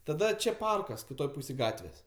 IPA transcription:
tɐˈdɐ ˈt͡ʃʲɛ ˈpɐrkɐs kʲɪˈtoːj ˈpuːsʲeːj ˈɡɑːtʲʋʲeːsʲ

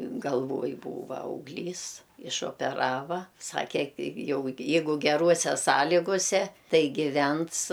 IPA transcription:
ɡɐlˠˈʋoːj ˈbuːʋɐ ɐʊɡˈlʲiːs ɪʃoːpʲɛˈrɑːʋɐ ˈsɑːkʲɛ kʲɪ ˈjɛʊ jɛ ˈjɛɪɡʊ ɡʲɛˈruɔsʲɛ ˈsɑːlʲiːɡʊsʲɛ ˈtɐɪ ɡʲɪˈʋʲɛns

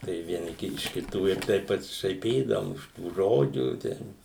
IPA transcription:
tɐɪ ʋʲiɛˈnʲɪ ɪʃ kʲɪˈtuː ɪr ˈtɐɪp pɐsʲɪʃɐɪˈpʲiːdɐʋʊm ɪʃ tuː ˈʒoːd͡ʒʲuː ˈtʲɛn

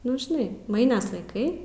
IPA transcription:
ˈnʊ ʒʲɪˈnɐɪ ˈmɐɪnrs lˠɐɪˈkɐɪ

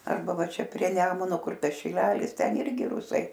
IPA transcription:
ɐrˈbɐ ˈʋɐ ˈt͡ʃʲɛ pʲrʲiɛ ˈnʲæːmʊnoː ˈkʊr ˈtɐs ʃʲɪˈlʲæːlʲɪs ˈtʲɛn ˈɪrʲɡʲɪ ˈrʊsɐɪ

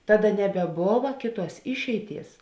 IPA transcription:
ˈtɑːˌdɐ nʲɛbʲɛˈboːʋɐ ˈkʲeːˌtuɔs ˈɪʃʲɛɪˌtʲiɛs

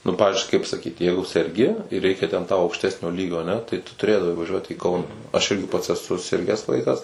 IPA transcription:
nʊ ˈpɑːʋʲɪzʲd͡ʒʲʊɪ kɐɪp sɐˈkʲiːt ˈjɛɪɡʊ sʲɛrʲˈɡʲɪ ɪr ˈrʲɛɪkʲɛ tʲɛn tɐʊ ɐʊkʃʲˈtʲæːsʲnʲoː ˈlʲiːɡʲoː ɐˈnʲɛ tɐɪ tʊ tʊˈrʲeːdɐʋɐɪ ʋɐˈʒʲuɔt iː ˈkɐʊnɐ ɐʃ ˈɪrʲɡʲɪ pɐts ɛˈsʊ ˈsʲɪrʲɡʲæːs ˈʋɐɪkɐs

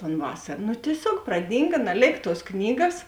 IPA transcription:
ˈɐn ˈʋɑːsɐr nʊ tʲiɛˈsʲoːk prɐˈdʲiːŋɡɐ nɐˈlʲeːk ˈtuɔs ˈknʲiːɡɐs

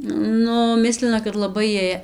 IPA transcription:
ˈnʊ ˈmʲɪsʲlʲɪnɐ kɐt lˠɐˈbɐɪ ˈjiɛj

